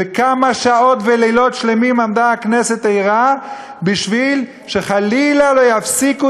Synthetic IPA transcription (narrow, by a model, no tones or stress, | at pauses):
vekamaʃao̞t̪velelo̞tʃlemimamd̪aakne̞se̞t̪ejʁa | biʃvil | ʃe̞χalilalo̞jafsiku